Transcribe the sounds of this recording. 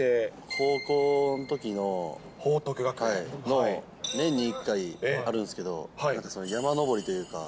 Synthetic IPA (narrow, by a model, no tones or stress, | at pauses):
ekʰo̞ːko̞ːnot̪o̞kʲino̞ | hoːt̪okɯɡakhaino | nẽ̞ɲ̟ːiːkːaiaɾɯ̟̃nsɨ̥ke̞d̪o̞̰haãŋkaso̞nojamano̞bo̞ɾʲit̪o̞jɯ̟ːka̰